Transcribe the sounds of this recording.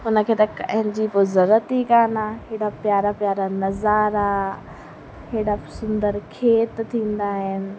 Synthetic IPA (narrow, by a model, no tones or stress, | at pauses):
ɦʊnə̆kʰeːt̪ɐkɐ̃ɦɪ̃ɲd͡ʑipʊzɐɾət̪ikaːnaɦɪːɽapjaːɾapjaːɾanɐzaːɾa | ɦeːɽasʊ̃nd̪əɾkʰeːt̪t̪ʰĩːn̆d̪aːɦɪnɪ̆